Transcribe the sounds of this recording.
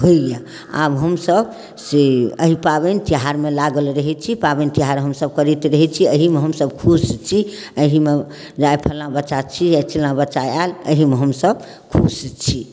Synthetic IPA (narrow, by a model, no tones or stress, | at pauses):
ɦoija | a̰bɦəmsəb | seə̰ɦipabent̪iɦaɾmelaɡəlɾəɦɛt͡ʃʰipabent̪iɦaɾɦəmsəb̚kəɾit̪ɾəɦɛt͡ʃʰiəɦimeɦəmsəbkʰust͡ʃʰi | əɦime | d͡ʒaepʰəlːabət͡ʃat͡ʃʰijat͡ʃʰilnabət͡ʃaaləɦimeɦəmsəb | kʰust͡ʃʰi